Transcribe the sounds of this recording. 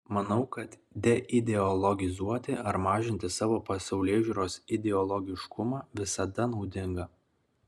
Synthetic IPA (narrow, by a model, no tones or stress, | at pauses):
mɐnɐʊkɐt̪ | d̪ʲɛʔɪd̪ʲɛɔlˠɔɡʲɪzuɔt̪ʲɪʔɐɾmɑːʒʲɪnʲt̪ʲɪsɑːʋoːpɐsɐʊlʲeːʒʲuːɾoːsɪd̪ʲɛɔlˠɔɡʲɪʃkʊmɑːʋʲɪsɐd̪ɐnɒʊd̪ʲɪŋɡɐ